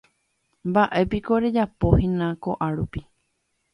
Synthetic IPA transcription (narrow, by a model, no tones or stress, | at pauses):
mbaʔe̞piko̞ɾed͡ʒapo̞hĩnãko̞ʔaɾupi